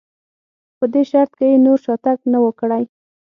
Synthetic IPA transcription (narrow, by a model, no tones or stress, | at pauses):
pəd̪eʃaɾt̪kejenoɾʃɑt̪aknawəkɽaj